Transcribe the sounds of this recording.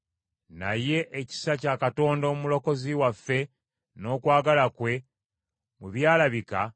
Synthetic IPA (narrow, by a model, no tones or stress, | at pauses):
naje̞ʔeci̥sacaːkato̞ːndoːumulo̞ko̞ziwafːe̞ | no̞ːkwaːɡalakwe̞ | muβjaːlaβika